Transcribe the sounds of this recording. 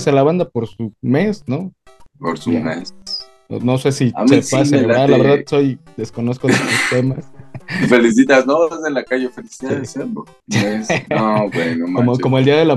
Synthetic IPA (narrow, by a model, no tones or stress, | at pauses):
salaβand̪apo̞ɾsume̞sno̞ | poɾsumes | o̰no̞sesiaepasenealaβeɾðaðso̞jd̪e̞sko̞no̞skoðet̪ust̪emasfelis̬it̪aznoβazelakaʝefelisiðaðeselo | mesabwenomkomokomoeld̪iaðela